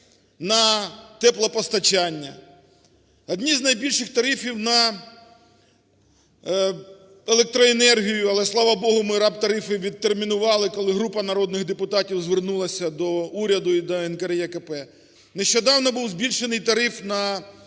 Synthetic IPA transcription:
nɐt̪ɛplˠɐpɔst̪ɐt͡ʃanʲːɐ | ɐd̪ʲnʲiznɐjbʲilʲʃɪxt̪ɐɾɪfʲiwnɐ | elˠek̚t̪ɾɔenɛrɦʲijʊɐlˠɛslˠɑʋɐbɔɦʊmɪɾɑpt̪ɐɾɪfɪʋʲid̪̚ermʲinʊʋɑlˠɪkɔlˠɪɦɾupɐnɐɾɔd̪nɪɣd̪epʊt̪ɑtʲiwzʋernulˠɐsʲɐd̪ɔuɾʲɐd̪ʊid̪ɔɛnkɐɾjɛkɐpɛ | neʃt͡ʃɔd̪ɑwnɔbuwzbʲilʲʃenɪjt̪ɐɾɪfnɐ

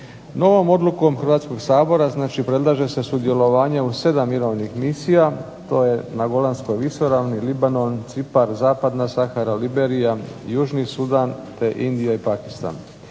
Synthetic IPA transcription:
no̞ʋo̞mo̞d̪luko̞mxrʋaːt̪sko̞ɡsaːbo̞ɾaznaːt͡ʃipɾe̞d̪lˠaːʒe̞se̞sud̪je̞lo̞ʋaːɲeuse̞d̪amːiɾo̞ʋnixmisija | t̪o̞ːje̞naɡo̞lˠansko̞jʋiʃo̞ɾaʋnilibano̞nt̪sipaɾzaːpad̪nasaxaɾalibeɾijajuːʒnisud̪ant̪e̞ʔind̪ijaipakist̪a̰n

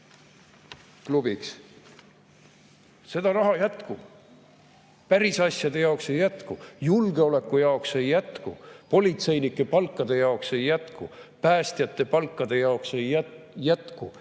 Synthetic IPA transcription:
klub̥iks | se̞d̪ɑrɑɦɑjæt̪ku | pæɾisɑsʲjɑd̪e̞jɑokse̞jːæt̪kujulɡ̥eo̞le̞kːˑujɑokse̞jːæt̪kupo̞lʲit̪se̞jnʲikːˑe̞pɑlkːˑɑd̪e̞jɑokse̞jːæt̪kupæːst̪jɑt̪ːe̞pɑlkˑːɑd̪̥e̞jɑokse̞jː | æt̪ku

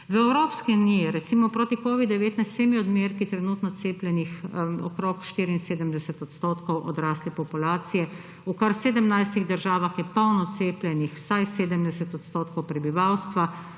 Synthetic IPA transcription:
ʋəɛwɾoːpskɛunijɛɾɛt̪simɔpɾoːt̪ikoːʋid̪d̪ɛʋeːt̪najst̪eːmiɔd̪meɾkit̪ɾɛnuːt̪nɔt̪seːplʲjɛnixɔ̰kɾokʃt̪iːɾiinseːd̪əmd̪ɛsɛt̪ɔt̪st̪oːt̪kɔwʔɔ̰d̪ɾaːslipɔpulaːt̪sijɛ | ukaɾseːd̪əmnajst̪iɣd̪əɾʒaːʋaxjɛpɔwnɔt̪seːplʲjɛnixw̥sajseːd̪əmd̪ɛsɛt̪ɔt̪st̪oːt̪kɔwpɾɛbiʋawst̪ʋa

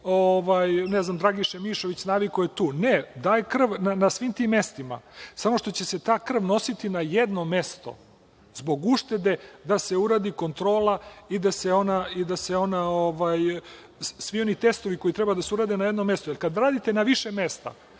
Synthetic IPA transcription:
oʋajneznamd̪ɾaːɡiʃemiːʃo̞ʋit͡ɕnaʋikojet̪uːned̪aːjekr̩ʋnanasʋiːmt̪imːe̞st̪ima̰samo̞ʃt̪o̞t͡ɕe̞se̞t̪aːkr̩ʋno̞sit̪inajed̪no̞mest̪o̞̰ | zbo̞ɡuʃt̪e̞d̪e̞d̪ase̞uɾaːd̪iko̞nt̪ɾo̞ːlaid̪aseonaid̪aseo̞naoʋaj | sʋio̞nit̪e̞st̪oʋiko̞it̪ɾebad̪aseuɾaːd̪enajed̪nomest̪ojelkad̪ɾaːd̪it̪enaʋiʃeme̞st̪a̰

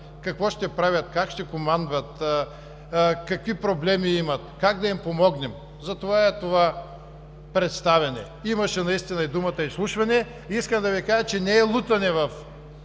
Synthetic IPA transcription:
kɐkvɔʃt̪ɛpɾavʲjɐt̪kakʃt̪ɛkomand̪vɐt̪ | kɐkvipɾoblɛmiimɐt̪kaɡd̪ɐimpomɔɡnɛm | zɐt̪ovaɛt̪ova | pɾɛt̪st̪avʲɛnɛ̰ | imɐʃɛnɐist̪inɐid̪umɐt̪ɐislˠuʃvɐnɛ | iiskɐmd̪ɐvikaʒət͡ʃɛnɛɛlˠut̪ɐnɛvɐf

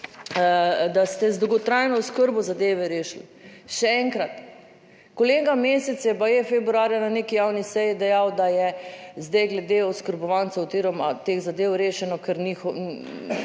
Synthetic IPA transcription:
d̪ast̪ɛzd̪owɡɔt̪ɾajnɔʊskəɾbɔzad̪eːʋɛɾeːʃli | ʃɛɛŋkɾat̪ | koleːɡameːsɛt̪sjɛbajefɛbɾuaːɾjananeːkijawnisɛjid̪ɛjawd̪ajɛzd̪ɛjɡlɛd̪eɔskəɾbɔʋant̪aziɾɔmat̪eːɣzad̪eːwɾeːʃɛnɔkɛɾnixɔ

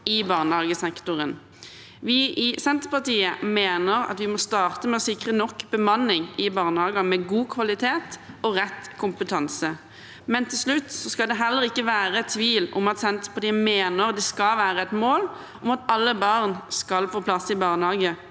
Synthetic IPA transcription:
ɪbɑːʁnhɑːɡəsɛkt̪ʊʁən | ʋɪʔɪsɛnt̪əpɑʁt̪iːəmeːnəʁɑ̰t̪ʋɪmɔst̪ɑːʁt̪əmɛɔsɪkʁənɔkːbəmɑnːɪŋɪbɑːʁnhɑːɡɑmɛɡuːkʰʋɑlɪt̪ʰeːt̪ɔʁɛt̪kʰʊmpət̪ʰɑnsə | mɛnt̪ʰɪlslʉt̪ːsɔskɑld̪ɛɦɛlːəʁɪkːəʋæːʁəɛt̪ʰʋiːlɔ̰mɑt̪sɛnt̪ə̥pʰɑʁt̪iːəmeːnəʁɑt̪d̪ɛskɑlʋæːɾəɛt̪moːl | ɔmɑt̪ɑlːəbɑʁnskɑlfoːpʰlɑsɪbɑːʁnəhɑːɡə

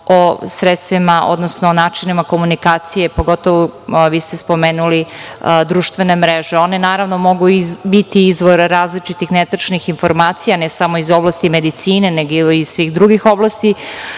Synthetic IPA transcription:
osɾet̪st̪ʋimao̞̰d̪nosnoːnaːt͡ʃinimako̞munikaːt̪sije̞po̞ɡo̞t̪oʋoʋiːst̪espo̞meːnulid̪ɾuːʃt̪ʋe̞nemɾeʒeo̞nenaːɾaʋno̞mo̞ɡuibit̪iizʋo̞ɾɾaːzlit͡ʃit̪ixnet̪ɾ̩t͡ʃnixinfo̞ɾmaːt̪sijanesamoizo̞blˠast̪imed̪it̪siːne̞neɡiizsʋiːɣd̪ɾuɡixo̞blˠast̪i

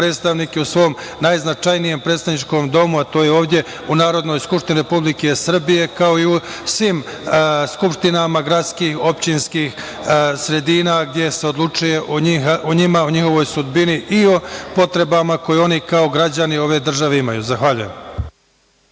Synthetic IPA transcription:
pɾeːt̪st̪aʋniːkeusʋo̞m | najznat͡ʃajnije̞mpɾet̪st̪aʋnit͡ʃko̞md̪o̞muat̪o̞ːjeo̞ːvd̪ʲje̞ | unaːɾo̞d̪no̞ːjskupʃt̪iniɾepublike̞sr̩bije̞kao̞iu | sʋim | skupʃt̪inamaɡɾat̪skiːxo̞pt͡ɕinskiːx | sɾe̞d̪iːnaɡd̪je̞se̞o̞d̪lˠut͡ʃuje̞ʔoixʔoɲimaoɲixo̞ʋo̞ːjsud̪biniʔio̞po̞t̪ɾe̞bamako̞jeo̞nikao̞ɡɾad͡ʑanio̞ʋe̞d̪r̩ʒaʋeimajuzaxʋaʎujem

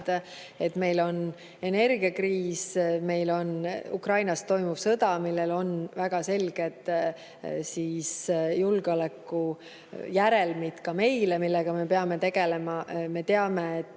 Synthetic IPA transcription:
d̪̥ | e̞t̪ːme̞jlo̞n | e̞ne̞rɡ̥iɑkriːsme̞jlo̞nṵkrɑjnɑst̪o̞jmub̥sɤd̪ɑmilːe̞lo̞nvæɡ̥ɑse̞lɡ̥e̞d̪ˑ | siːsjulɡ̥o̞lekːˑu | jæɾe̞lmit̪kɑme̞jlemilːeɡ̥ɑme̞pe̞ɑme̞t̪e̞ɡ̥e̞le̞mɑme̞t̪e̞ɑmeet̪ːˑ

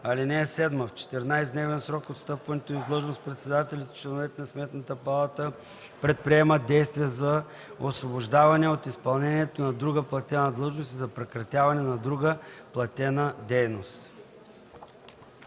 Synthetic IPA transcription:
ɐlinɛːsɛd̪məft͡ʃɛ̥t̪ɛɾnajszd̪nɛvɛnsɾɔkot̪st̪ɤpvɐnɛt̪oivd̪lˠɤʒnost̪pɾɛt̪sɛd̪at̪ɛlʲit̪t͡ʃlɛnovɛt̪ɛnɐsmɛt̪nət̪əpɐlˠat̪ə | pɾɛt̪̚pɾiɛməd̪ɛjst̪viɛzɐ | osvoboʒd̪avɐnɛot̪ispɐlˠnɛniɛt̪onɐd̪ɾuɡəplˠɐt̪ɛnəd̪lˠɤʒnost̪izɐpɾɛkɾɐt̪ʲjavɐnɛnɐd̪ɾuɡəplˠɐt̪ʲɛnəd̪ɛjnost̪

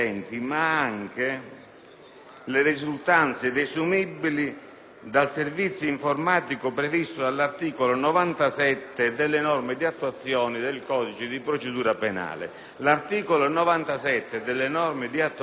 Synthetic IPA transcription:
ɛnt̪imaaŋk̟ɪ | lɪɾizult̪ant̪sed̪esumibːili | d̪alservit̪sːjoiɱformaːt̪ikʊpɾevist̪ʊd̪alːart̪iːkolonɔvant̪asɛt̪ːɪd̪ɪlːɪnɔrmɪd̪iat̪ːuat̪sːjɔːnid̪ɪlkɔːd̪it͡ʃɪd̪ipɾot͡ʃɪd̪uːɾapena̰ːlɪ̰ | lart̪iːkolonɔvant̪asɛt̪ːed̪ɪlːɪnɔrmɪd̪iat̪ː

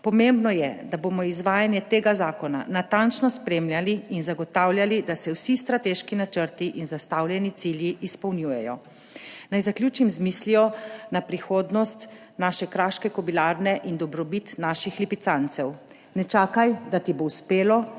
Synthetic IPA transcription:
pɔmembnɔjɛd̪abomɔizʋaːjanjɛt̪eːɡazaːkɔna̰nat̪ant͡ʃnɔspɾeːmljaliːnzaɡɔt̪awljalid̪asɛwsist̪ɾat̪eʃkinat͡ʃəɾt̪iʔinzast̪awlʲjɛnit̪siljiʔispɐwnjujɛjɔ̰ | najzakljuːt͡ʃimzmislijɔnapɾixoːd̪nɔst̪ | naːʃɛkɾaːʃkɛkɔbilaɾnɛʔind̪ɔbɾɔbit̪naːʃixlipit̪sant̪sɛw | nɛt͡ʃaːkajd̪at̪ibouspeːlɔ

